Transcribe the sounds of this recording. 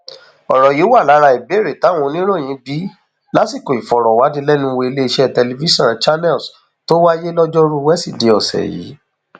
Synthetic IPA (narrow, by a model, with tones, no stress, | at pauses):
ɔ˨ɾɔ˨ji˨˦wa˦˨la˨˦ɾa˧i˨be˦˨ɾe˨ta˨˦w̃ɔ̃˧nĩ˦ɾ̃õ˦˨j̃ĩ˨˦bi˨˦ | la˦si˦˨ko˨i˨fɔ˨ɾɔ˨wa˨˦di˧lɛ˦nũ˧˦˧we˧i˧le˦i˧ʃɛ˦˨tɛ˧le˧vi˦ʃɔ̃˦˨t͡ʃa˦nɛ˦˨ls | to˦wa˦je˦lɔ˦d͡ʒɔ˦ɾu˦wɛ˦si˦˨de˧ɔ˨sɛ̰˨jḭː˨˦